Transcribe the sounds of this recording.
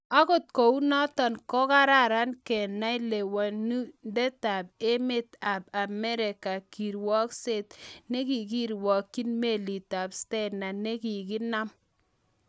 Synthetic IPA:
a˦ko˦t̚ko˨u˦nɔ˦tɔ˨nkɔ˦ka˦ɾa˦ɾa˦nkɛ˨na˦jle˨wa˨nu˦ndɛ˦ta˨p̚e˦me˦t̪a˨p̚a˨mɛ˦ɾe˨ka˨ki˨ɾwɔ˦kse˦˨tne˦ki˨ki˦ɾwɔ˨kːi˦nme˦˨li˨ta˨pstɛ˦na˨ne˦ki˨ki˦na˦m

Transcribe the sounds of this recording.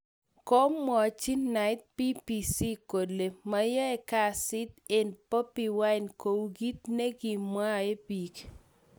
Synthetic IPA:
ko˦mmːɔ˨t͡ʃi˦nna˨ɪ˦t̪̚pi˦pi˨si˦ko˨le˨ma˦jɛ˦ɛ˨ka˦˨sɪ˦t̪e˨npo˦pi˨wa˦ɪnko˨wɡi˦t̪̚ne˦ɡi˨mwa˦e˦bi˨k

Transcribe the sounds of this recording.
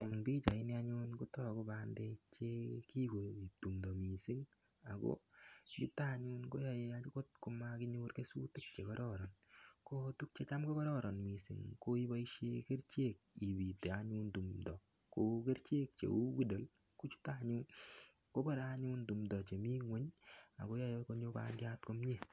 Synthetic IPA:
e˨ŋbi˦t͡ʃa˨ɪ˦nja˦ɲu˦nku˦tɔ˦˨ko˦ba˦nde˧t͡ʃe˦ki˦ko˨i˨p̚tu˨mdɔ˨mi˨si˦ŋ | a˨ko̰˦ḭ˦ta˦ɲu˦nko˦ja˨je˧a˦t͡ʃu˦ko˦t̚ku˧ma˦ki˦ɲu˦rke˦su˦tu˦k̚t͡ʃe˨kɔ˦ɾɔ˦ɾɔ˨nko˦tu˦k̚t͡ʃe˦t͡ʃa˦mka˦kɔ˦ɾɔ˦ɾɔ˨nmi˨sɪ̰˨ŋko˦i˦ba˦iʃe˦ke˦ɾt͡ʃe˦k̚i˨bi˨te˨aɲu˦ntu˨mdɔ˨ | ko˨ke˦ɾt͡ʃe˦k̚t͡ʃḛ˨u˦wi˦do˨l | ko˦t͡ʃu̥˦ta˦ɲuː˦n | ko˦ba˦˨ɾaɲu˦ntu˨mdɔ˨t͡ʃe˨mi˦ŋwe˦ɲa̰˨ko˦ja˦jeko˦ɲo˦pa̰ndja˦tko˦mɲe˦˨

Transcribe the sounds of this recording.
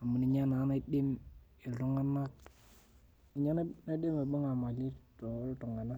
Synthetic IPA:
a˨mu˨ni˨ɲa˦na˨˦na˦ɗɪ˦m | e˨ltʊ˦ŋa˦na˦k̚ | i˨ɲa˦n˦na˦ɗɪ˦me˨ɓʊ˦ŋa˨ma˨lɪ˦tltʊ˨ŋa˨na˦

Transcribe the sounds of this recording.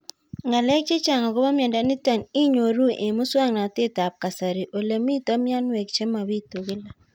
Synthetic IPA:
ŋa˨lɛ˦k̚t͡ʃe˦t͡ʃa˨ŋa˨ɡo˦ba˦mja˨nda˦ni˦ta˨nɪ˦ɲo˨ɾu˦ʔe˨mʊ˦swa˦ŋna˨tɪ˦ta˨p̚ka˨sa˨ɾi˨ʔo˨le˨mi˦tɔ˦mja˦nwe˨k̚t͡ʃe˦ma˨bi˦to˨ɡɪ˦la˨

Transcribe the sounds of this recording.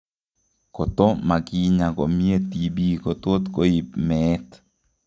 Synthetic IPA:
ko˨t̪o˦ma˨ɡi˦ɲa˨ɡo˨mje˦t̪i˨bi˦ko˨t̪o˦t̪ko˦i˨pmɛ˦t̪

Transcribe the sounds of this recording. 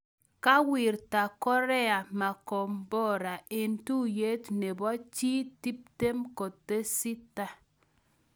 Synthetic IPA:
ka˦wi˨ɾta˨kɔ˦ɾɛ˦a˨ma˨ko˨mbɔ˦ɾa˨ʔe˨ntu˦je˦tne˨bɔ˦t͡ʃi˦ti˦p̚te˦mko˨te˦si˦ta˦

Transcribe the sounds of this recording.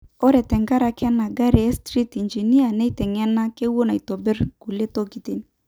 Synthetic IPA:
ɔ˦ɾɛ˨tɛ˨ŋɡa˦ɾa˨kɛ˦na˨ɡa˦ɾɛ˨ɛ˦stɾi˦ti˨nd͡ʒi˨ni˦a˨nɛ˦tɛ˨ŋɛ˦na˦ke˦wo˦na˨i˨tɔ˨bɪ˦rku˨le˦to˦ɡi˨te˦ni˨

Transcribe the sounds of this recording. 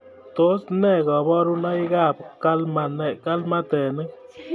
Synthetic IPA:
t̪o˦snɛ˦˨ɣɔ˨bɔ˦ɾu˦na˦i˦ɡa˦˨p̚ka˦lma˨nɛ˨ka˦lma˦t̪ɛ˨nɨ˦

